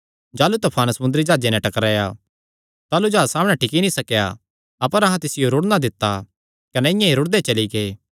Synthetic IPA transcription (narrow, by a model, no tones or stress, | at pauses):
d͡ʒaːlut̪ɐpʰaːnsɐmʊnd̪ɾid͡ʒaːd͡ʒenɛ̃ʈɐkɾaːja | t̪aːlud͡ʒaːsaːmɽ̃ɛ̃ʈʰɪkinĩsɐkja̰ | ɐpəɾɐɦãt̪ɪsɪjoɾʊɽnad̪ɪt̪ːa | kɐnɛɪjãiɾʊɽd̪et͡ʃɐliɡeː